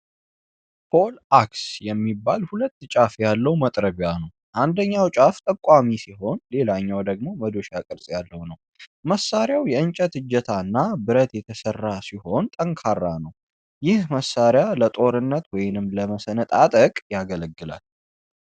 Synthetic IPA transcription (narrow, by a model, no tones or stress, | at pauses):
pʰo̞laksjɛmːibːalhulət̪ːt͡ʃʼafjalːəwmət̪ʼɾəβjanəw | ʔand̪əɲːawt͡ʃʼaft̪ʼəkʼwamisiɦo̞nle̞laɲːawd̪əɡ̚mo̞məd̪o̞ʃakʼɨɾsʼjalːəwnəw | məsːaɾjawjɛɨnt͡ʃʼət̪ɨd͡ʒːət̪ʰaɨnːabɨɾət̪jɛt̪ʰəsərːasiho̞nt̪ʼəŋkʰarːanəw | jɪhməsːaɾjalət̪ʼo̞ɾɨnːət̪wɔjɪnɨmləməsənət̪ʼat̪ʼəkʼjaɡələɡːɨla̰l